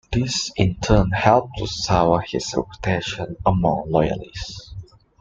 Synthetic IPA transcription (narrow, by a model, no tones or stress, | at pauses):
d̪̥isĩntʰə̃nhɛlˠp̚tʰusawəhisɹɛ̰putʰeʃə̃nəmɔ̃ŋlɔjə̰lis